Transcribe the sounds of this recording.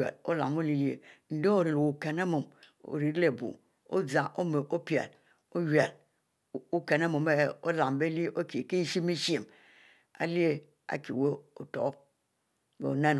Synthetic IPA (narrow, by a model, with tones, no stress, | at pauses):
ḛ˨lo̰˦la̰˨mo˦li˨le˨n̩˨˦de˦o˨ɾi˨lu˨o˨ke˨ne˦mo˨m | o̰˨ɾi˨˦ɾle˨bṵ˨ | o̰˦d͡za˨ʔo˦me˨ʔo˦pi˨ḛ˨l | o˦je˨l | u˦ke˨ne˦mo˨m˦e˦o˦la˨mbe˦li˦ʔo˦ki˨ke˦i˦ʃi˦me˦ʃi˦e˨m | a̰˨li˦e˦ | a̰˨kḭ˨we˦o˨to̰˨˦ | bḛ˨o˨ne˦n